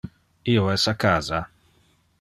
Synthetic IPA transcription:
ioɛsakaːza

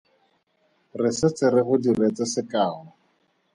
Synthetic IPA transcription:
rɪsɪt͡sɪɾɪχʊdiret͡sɛsɪkaːla

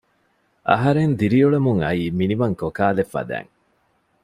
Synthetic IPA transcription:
ʔɐ̰ɦɐɾend̪iɾiuɭemuŋɐiːminiʋɐŋkokaːlefɐ̰d̪æ̰ːŋ

